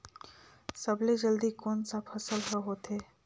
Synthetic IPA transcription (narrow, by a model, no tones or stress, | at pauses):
səbled͡ʒəld̪ikoːnsapʰɐsəlɦəɦoːt̪eː